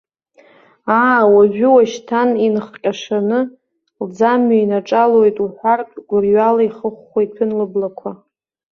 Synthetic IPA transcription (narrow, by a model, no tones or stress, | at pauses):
aːwaʒᶣʷʏwaʃtʰaninχqʲʼaʂanɨ | ld͡zamːainaʈ͡ʂʼalo̞jtʼuħʷartʼɡ̥ʷʊrɥalaiχəχʷːejpʰɨnlɨblakʷʰa